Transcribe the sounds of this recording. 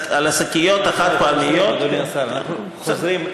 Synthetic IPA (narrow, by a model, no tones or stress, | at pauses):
alasakijot̪aχat̪̚poalmijo̞t̪saau | zɾim